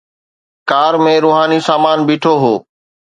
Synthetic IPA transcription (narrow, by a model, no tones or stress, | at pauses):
kaːɾmẽɾoːɦaːnisaːmaːnbɪːʈʰoːɦoː